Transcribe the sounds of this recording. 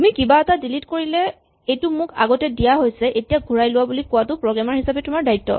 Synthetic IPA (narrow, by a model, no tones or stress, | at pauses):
tumikibaɛtadilitkoɹilɛ | ejtʊmʊka̰ɡɔtɛdijaɦojsɛʔetijaɡʱuɹajlʊwabulikʊwatʊpɹɔɡɹamaɹhisabɛtʊmaɹdaitːɔ̰